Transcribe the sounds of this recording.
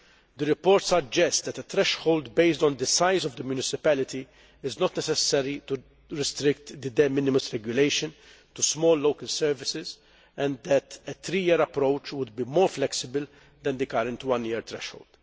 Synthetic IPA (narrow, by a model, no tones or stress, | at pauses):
d̪əɾɪpoːɾt̪sɐd͡ʒɛst̪d̪ɛt̪ət̪ɾɛʃhoʊld̪beɪsd̪ɔ̃nd̪əsajzɔvd̪əmjunɪsɪpælɪt̪i | ɪznɔt̪nɛsɛsɛɾit̪u | ɾɪst̪ɾɪkt̪d̪əd̪ɛmɪnɪməsɾɛɡjʊleɪʃɔ̃n | t̪usmɔːlːoʊkəlsɛɾvɪsɪz | ɛ̃nd̪ɛt̪ɛt̪ɾiːjɪːɾɐpɾowt͡ʃwʊd̪̚bimɔːɾflɛksɪbəl | d̪ɛ̃nd̪ɨkɐɾɛ̃nt̪wɐ̃njɪːɾt̪ɾɛ̰ʃho̰wld̪̥